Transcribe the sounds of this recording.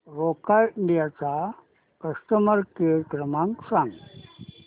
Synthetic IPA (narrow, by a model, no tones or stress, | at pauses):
ɾokajiɳɖijat͡sa | kəsʈəməɾkijəkɾəmãŋksãŋɡ